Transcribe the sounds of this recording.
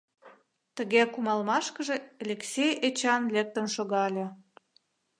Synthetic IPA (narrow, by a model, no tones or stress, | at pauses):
t̪əɣekumɑlmɑʃkəʒeelʲeksʲejet͡ɕɑnlek̚t̪ənʃoɣɑlʲe